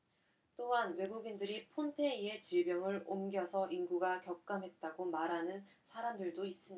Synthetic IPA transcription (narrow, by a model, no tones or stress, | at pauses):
t͈oɦanwe̞ɡuɡindɯɾipʰonpʰe̞ie̞t͡ɕiɭbjʌŋɯɾomɡjʌsʰʌʔinɡuɡakjʌk̚k͈amɦe̞t̚t͈aɡomaɾɦanɯn | sʰaɾamdɯɭdois͈ɯmɲi